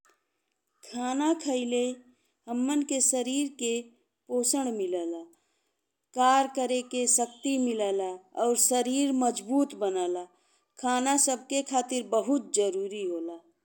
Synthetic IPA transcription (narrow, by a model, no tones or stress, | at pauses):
kʰaːnakʰəɪle | ɦəmːənkesəɾiːɾke | poːsəɳmɪlaːla | kaːɾkəɾekesək̚t̪imɪlaːlaɔːɾsəɾiːɾməd͡ʒbuːt̪bənaːla | kʰaːnasəb̚ʱkekʰaːt̪ɪɾbəɦʊt̪̚d͡ʒəɾuːɾiɦoːlaː